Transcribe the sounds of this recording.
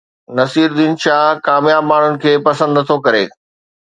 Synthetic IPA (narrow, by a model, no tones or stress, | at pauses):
nɐsiːɾd̪iːnʃaːɦkaːmjaːbmaːɳ̤ʊnɪ̆kʰeːpɐsə̃nd̪t̪ʰokɐɾḛː